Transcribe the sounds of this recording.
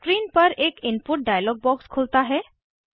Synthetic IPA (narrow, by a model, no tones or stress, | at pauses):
kɾiːnpəɾeːkimpuʈ̚ɖajəlɔɡ̚bɔkskʰolt̪aɦɛ